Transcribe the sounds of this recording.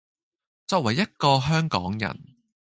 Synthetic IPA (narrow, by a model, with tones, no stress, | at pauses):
t͡sɔː˧k̚wɐ˨˩jːɐ˥t̚kɔː˧ɦœː˥ŋkɔː˨˥ŋjɐ̰˨˩n